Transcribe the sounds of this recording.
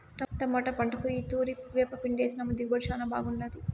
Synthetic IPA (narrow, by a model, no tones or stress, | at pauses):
ʈɐʈɐmːɐʈɐpɐɳʈɐkuiːt̪uːɾipuʋeːpɐpiɳɖeːsinɐmːɐd̪iɡbɐɾʃaːnɐba̰ːɡunːɐd̪i